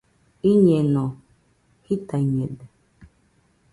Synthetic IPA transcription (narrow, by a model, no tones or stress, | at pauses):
iɲenɔ | hitaɲedɛ